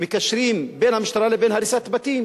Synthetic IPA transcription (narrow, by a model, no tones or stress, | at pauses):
mɪkæʃːɾiːmbeːnhamɪʃt̪ɑɾˤɑːlebeːnhaɾisat̪bat̪iːm